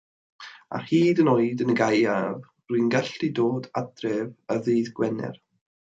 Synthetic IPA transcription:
a̰hiːdənoɨdənəɡajav | ruɨnɡaɬidoːdadrɛvəðejðɡwɛnɛ̰r

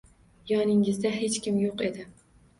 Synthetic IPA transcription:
jɒnɪŋɪzd̪aɦe̞t͡ʃkʲɪmjoqe̞d̪ɪ

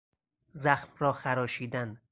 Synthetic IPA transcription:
zæxmrɒːxæɾɒːʃiːd̪æn

